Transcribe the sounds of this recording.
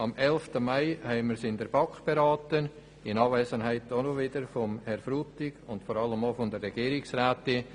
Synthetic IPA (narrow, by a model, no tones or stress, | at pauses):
ɑmɛlftəmaɪhɛɪməɾsɪndɛɾb̥ɑkb̥eɾɑːtən | ɪnɑːvɛːsənɦæɪt̚donovɪdəɾfɔmhɛɾfɾuːtɪɡʊntfɔɾɑləmofʊndərːɛɡ̥iːɾɪksraːtɪ